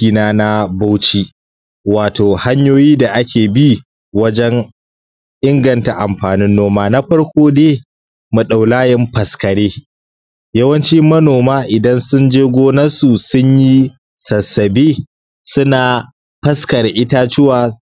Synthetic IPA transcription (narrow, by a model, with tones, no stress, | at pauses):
iː˨naː˦na˦ba˦wt͡ʃi˦ | waː˨toː˨ha˦ɲjoː˦jiː˦da˨ʔa˦kʲʰeː˨bi˦ | wɐ˦d͡ʒɛ˦ŋ | ʔɪ˦ŋɡɐ˨nta˨ʔa˨mɸaː˨nɪ˦nːoː˦maː˦na˦ɸɐ˦ɽkʷoː˦deː˦ | mu˨ɗa˨wlaː˦jɛ˦mɸɐ˨skɐ˨ɽeː˦ | jɐ˦wɐ˦nt͡ʃi˦mɐ˦noː˨maː˦ʔɪ˨dɐ˦nsʊ˦nd͡ʒeː˦ɡʷoː˦nɐ˦su˨sʊ˦ɲji˦ | sɐ˨sɐ˨beː˦ | sʊ˦naː˨ | ɸɐ˦skɐ˨ɾʔɪ˦taː˦t͡ʃɪ˦waː˨